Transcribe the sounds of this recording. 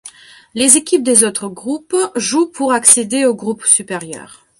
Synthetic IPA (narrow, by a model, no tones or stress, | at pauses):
lezekʲip̚d̪ezot̪χəɡʁupʒupʰuʁaksed̪eoɡʁupsypeʁjœ̰ːʁ